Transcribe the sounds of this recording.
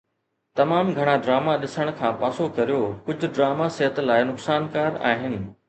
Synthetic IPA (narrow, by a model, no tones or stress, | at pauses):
t̪ɐmaːmɡʱɐɽ̃aɖɾaːmaɗɪsəɽ̃kʰãːpaːsokɐɾijokʊd͡ʑʱʊ̆ɖɾaːmasɐɦət̪laːɪnʊksaːnkaːɾa̰ːɦɪnɪ̆